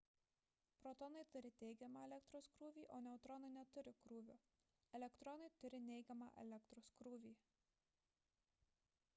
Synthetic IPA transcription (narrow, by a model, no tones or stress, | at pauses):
pɾɔt̪ɔnɐɪt̪ʊɾʲɪt̪ʲɛɪɡʲɛmɑɛlʲɛkt̪ɾoːskɾuːʋʲiːʔoːnʲɛʊt̪ɾɔnɐɪnʲɛt̪ʊɾʲɪkɾuːʋʲʊ | ɛlʲɛkt̪ɾɔnɐɪt̪ʊɾʲɪnʲɛɪɡʲɛmɑ̰ːʔɛ̰lʲɛk̚t̪ɾoːskɾuːʋʲiː